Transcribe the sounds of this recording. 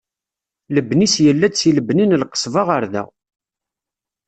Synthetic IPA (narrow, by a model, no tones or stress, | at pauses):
ləbːnisjəlːæt͡sːiləbninlqə̥sˤvɑʁəɾðæ̰